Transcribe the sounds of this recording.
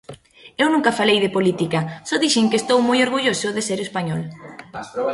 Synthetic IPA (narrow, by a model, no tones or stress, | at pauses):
ewnũŋkɐfalejðepolit̪ikɐsɔðiʃɪŋkeːst̪owmojoɾɣuʎosʊðeseɾespaɲɔl